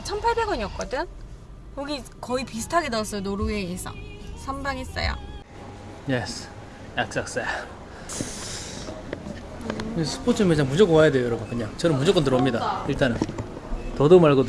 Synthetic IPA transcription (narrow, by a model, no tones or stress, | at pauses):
t͡ɕʰʌnpʰaɭbe̞ɡʌɲiʌk͈ʌdɯn | koɡikʌipisʰɯ̥tʰaɡedas͈ʰʌnoɾueesʰa̰ŋsʰambaŋes͈ʌ̰jo̰ | jes | jak̚s͈aks͈a | sʰɯ̥pʰot͡ɕʰɯmet͡ɕʰamud͡ʑok͈ɯwajadwejojʌɾʌɡakɯɲaŋt͡ɕʌnɯnmud͡ʑok͈ʌntɯɾʌmɲidaiɭt͈anɯn | tʌdomaɭɡo